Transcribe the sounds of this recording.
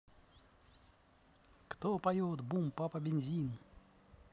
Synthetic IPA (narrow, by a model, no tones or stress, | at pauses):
kt̪opajot̪bumpapɐbʲenʲzʲin